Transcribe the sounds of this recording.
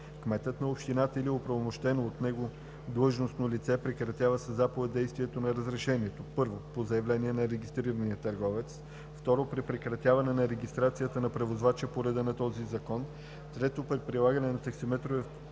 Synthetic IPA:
kmɛt̪ət̪nɐopʃt̪inat̪əiliopɾɐvomoʃt̪ɛnoːt̪nɛɡo | d̪lˠɤʒnosnolit̪sɛpɾɛkɾɐt̪javəsəzːapovɛt̪̚d̪ɛjst̪viɛt̪onɐɾəzɾɛʃɛniɛt̪opɤɾvopozɐjɐvlɛniɛnɐɾɛɡist̪ɾiɾəniət̪ɐɾɡɔvɛt̪s | ft̪ɔɾopɾipɾɛkɾɐt̪ʲjavɐnɛnɐɾɛɡist̪ɾat̪sijət̪ənɐpɾɛvozvat͡ʃɛpoɾɛd̪ənɐt̪ɔzizɐkɔn | t̪ɾɛt̪opɾɛt̪̚pɾilˠaɡɐnɛnɐt̪ɐksimɛt̪ɾovɛf

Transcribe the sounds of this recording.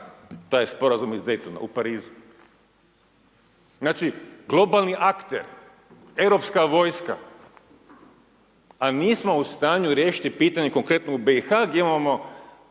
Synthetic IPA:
t̪aːjspo̞ɾazumizd̪ejt̪ona̰upaɾiːzu | znaːt͡ʃiɡlˠo̞balˠniʔakt̪ḛɾ | e̞wɾo̞pskaʋo̞ːjska̰ | aniːsmo̞ust̪aːɲuɾjeːʃi̥t̪ipiːt̪aɲe̞ko̞ŋkɾe̞t̪noubeixaɡjemamo

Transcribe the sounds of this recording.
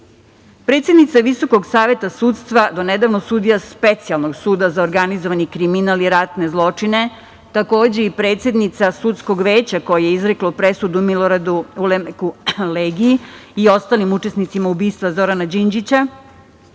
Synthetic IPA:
pɾet̪sjed̪nit̪saʋiso̞ko̞ɡsaːʋje̞t̪asuːt̪st̪ʋad̪o̞ned̪aʋnosuːd̪ijaspe̞t̪sialˠno̞ɡsuːd̪azaoɾɡanizoʋanikɾiminaliɾat̪ne̞zlˠo̞t͡ʂine̞ | t̪ako̞ːd͡ʑe̞ipɾe̞ːt̪sje̞d̪nit̪sasut̪sko̞ɡʋe̞ːt͡ɕako̞jejeizɾe̞klopɾe̞sud̪umilo̞ɾad̪uulemekuleːɡiiio̞st̪aːlimut͡ʃe̞snit̪simaubiːst̪ʋazo̞ɾanad͡ʑind͡ʑit͡ɕa

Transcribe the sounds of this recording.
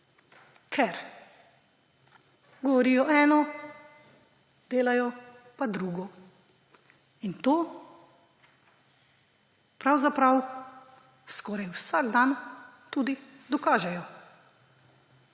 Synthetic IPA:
kʰɛɾ | ɡɔʋɔɾiːjɔʔɛːnɔ | d̪̥eːlajɔpad̪ɾuːɡɔ | int̪oː | pɾawzapɾaw | skɔːɾajwsaːɡd̪an | t̪uːd̪i | d̪ɔkaːʒɛjɔ

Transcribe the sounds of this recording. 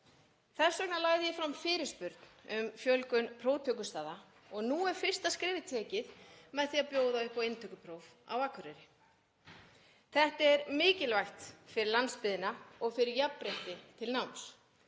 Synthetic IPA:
θɛɾ̥sœknalaːjðɪjɪfɾamfɪːɾɪ̥spʏɾt̪n̥ʏmfjœlkʏnpʰɾoːwt̪ʰœkʏst̪aːða | ɔɣnuɛɾ̥fɪr̥st̪askɾɪːvɪt̪ʰɛːcɪðmɛðθiaðpjoːwðaʏhpɔwejnt̪ʰœkʏpʰɾowva̰waːkʰvʏɾɛɾɪ | θɛht̪ɛɾmɪːcɪlvajht̪fɪɾɪɾlanspɪðɪnaɔɣfɪɾɪɾjapːɾeht̪ɪt̪ʰɪlnawms

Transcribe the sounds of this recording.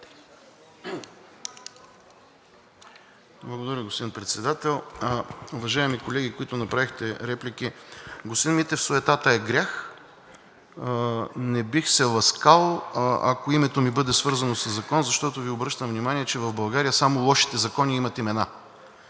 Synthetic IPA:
blˠɐɡod̪ɐɾʲəɡospod̪inpɾɛt̪sɛd̪at̪ɛlˠ | ʊvɐʒaɛmikolɛɡʲikoit̪ʊnɐpɾavixt̪ɛɾɛplikiɡost̪inmit̪ɛfsoɛt̪at̪əɛɡɾʲax | nɛbixsɛlˠɐskalˠoa̰koimɛt̪omibɤd̪ɛsvɤɾzɐnosɐzːɐkɔnzɐʃt̪ɔt̪oviobɾɤʃt̪əmvnʲimaniɛt͡ʃɛvɐvbɐlˠɡaɾijəsamolˠɔʃi̥t̪ɛzɐkɔniimɐt̪imɛna

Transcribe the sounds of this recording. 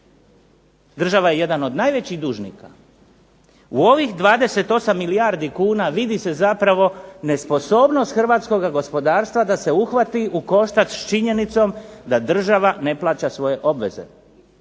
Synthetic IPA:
d̪r̩ʒaʋaje̞je̞d̪ano̞d̪najʋet͡ɕiɣd̪uːʒnḭka | uo̞ʋixd̪ʋaːd̪e̞se̞t̪o̞samːilijaɾd̪ikuːnaʋid̪ise̞zapɾaʋo̞ne̞spo̞so̞ːbno̞st̪xr̩ʋaːt̪sko̞ɡaɡo̞spo̞d̪aːɾst̪ʋad̪ase̞uxʋat̪iʔuko̞ʃt̪at͡ʃ̪t͡ʃiɲe̞nit̪so̞md̪ad̪r̩ʒaʋane̞plˠaːt͡ɕasʋo̞je̞ʔo̞bʋe̞̰ze̞̰

